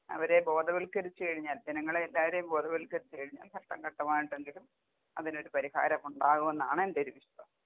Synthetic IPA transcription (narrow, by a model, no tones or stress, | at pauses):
ɐ̰ʋɐɾe̞bo̞ːd̪ʱɐʋɐɭkɐɾit͡ɕːɨkɐɻiɲːaːld͡ʑɐnɐŋːɐɭeelːaːʋɐɾe̞jumbo̞ːd̪ɐʋɐɭilkɐɾit͡ɕːɨkɐɻiɲːa̰ːlkʰɐʈːɐŋkɐʈːɐmaːjiɳʈːe̞ŋɡilum | ɐ̰ðino̞ɾupɐɾiha̰ːɾɐmuɳɖaːɣume̞nːa̰ːɳɨende̞oɾuʋiɕɐtɐm